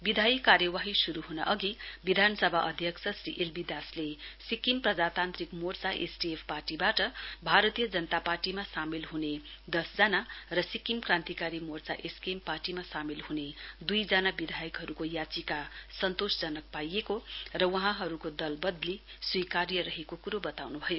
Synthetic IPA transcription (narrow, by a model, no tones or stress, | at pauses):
bid̪ʱajikːaɾjʌwaɦisuɾuɦuna̰ʔʌɡibid̪ʱanʌsʌbʱaʔʌd̪ʱjʌksʌsriʔelbid̪aslesikimprʌd͡zat̪ant̪rikmort͡saʔḛsʈiepʰparʈibaʈʌbʱaɾʌt̪ijʌd͡zʌnʌt̪aparʈimasamilɦuned̪ʌsd͡zanarʌsikimkrãnt̪ikaɾimort͡sa̰ʔeskemparʈimasamilhuned̪ujd͡zanabid̪ʱajʌkɦʌɾukojat͡sikasʌnt̪osd͡zʌnʌk̚pajekorʌwʌɦãɦʌɾukod̪ʌlbʌd̪liswikarjʌɾʌɦekokuɾobʌt̪awnubʱʌjo